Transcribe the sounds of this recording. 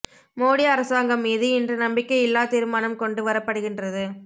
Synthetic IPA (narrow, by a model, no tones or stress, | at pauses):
moːɽɪɐɾɐsaːŋɡɐmːiːðɯɪndrɐnɐmbɪkːɐɪɪlːaːt̪iːɾɯmaːnɐmkɔɳɖɯʋɐɾɐpːɐɽɯɣɪndrɐðɯ